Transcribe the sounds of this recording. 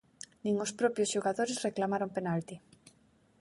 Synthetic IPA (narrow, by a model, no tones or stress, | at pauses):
nĩŋospɾɔpjosʃoɣaðoɾesreklamaɾompenalt̪i